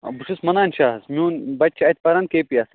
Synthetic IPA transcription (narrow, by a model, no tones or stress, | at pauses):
buʂʰusmɐnaːnʲt͡ʃʰaːɦɐsmiũːnbɐt̪̚ʲt͡ʃʰiɐt̪̚ʲpɐɾankeːpijaːs